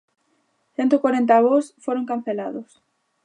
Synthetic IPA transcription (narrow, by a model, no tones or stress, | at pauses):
θent̪okwaɾent̪aβosfoɾõŋkan̟θelaðʊs